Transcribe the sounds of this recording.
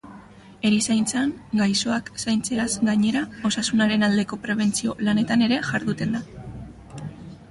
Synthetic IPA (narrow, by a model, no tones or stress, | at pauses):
e̞ɾisajnt͡saŋɡajso̞aksajnt͡se̞azɡaɲe̞ɾao̞sasunaɾe̞nald̪e̞ko̞pɾe̞β̞e̞nt͡sio̞lane̞t̪ane̞ɾe̞ʝaɾðut̪e̞nd̪a